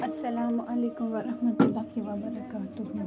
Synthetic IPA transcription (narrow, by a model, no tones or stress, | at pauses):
ʔɐsːɐlaːmʊʔɐleːkʊmʋɐɾɐhmɐt̪ʊlːɑːhiʋɐbɐɾɐkaːt̪ʊhi